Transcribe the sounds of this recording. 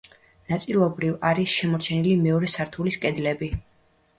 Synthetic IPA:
nat̪sʼilˠɔbɾivaɾisʃɛmɔɾt͡ʃʰɛnilimɛɔɾɛsaɾt̪ʰuliskʼɛd̪lɛbi

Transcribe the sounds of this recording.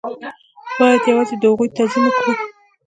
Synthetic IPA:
b̥ɑjad̪jawɑzed̪əhaɣujt̪azinaku

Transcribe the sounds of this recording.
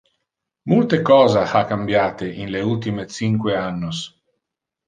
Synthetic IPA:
mult̪ekɔːzahakambjaːt̪eʔinleult̪imet̪siŋkweanːos

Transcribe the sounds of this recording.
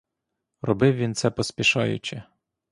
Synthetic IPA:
rɔbɪwʋʲint̪sɛpɔspʲiʃɑjʊ̰t͡ʃɪ

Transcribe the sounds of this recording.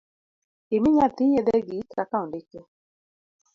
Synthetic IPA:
ɪmɪɲat̪ɪjed̪ɛɡikakaũndɪke

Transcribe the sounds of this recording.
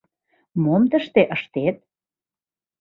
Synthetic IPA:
momt̪əʃt̪eʔəʃt̪et̪̚

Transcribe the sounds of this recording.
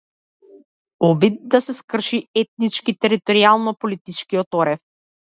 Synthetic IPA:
ɔbid̪̚d̪asɛskr̩ʃiɛt̪̚nit͡ʃkit̪ɛɾit̪ɔɾialˠnɔpɔlit̪it͡ʃkiɔt̪ɔɾɛf

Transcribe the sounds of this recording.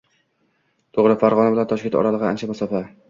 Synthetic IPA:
t̪ʰoʁɾɪfaɾʁɒnabɪlant̪ʰɒʃ̬kʲet̪ɒ̰ɾalˠɨʁɨa̰nt͡ʃʰamasɒfa

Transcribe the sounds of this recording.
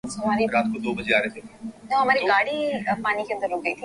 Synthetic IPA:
ɦɐmaːɾiɾaːt̪kod̪oːbɐd͡ʒeaːɾeːt̪ʰeoɦɐmaːɾiɡaːɽipaːnikeə̃nd̪əɾoːk̚ɡəiːt̪ʰi

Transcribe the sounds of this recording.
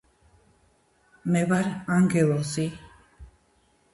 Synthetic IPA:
meβaɾaŋɡewosi

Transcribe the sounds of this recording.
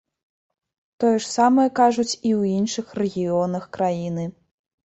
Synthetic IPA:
t̪ɔjɛʂsamɐjɛkaʐut͡sʲiwinʂɨxrɛɣʲiɔnɐxkɾajinɨ

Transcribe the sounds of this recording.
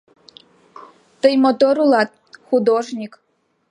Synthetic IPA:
t̪ɨjmɔt̪ɔɾulˠɑt̪̚ | xʊd̪ɔʒnʲik

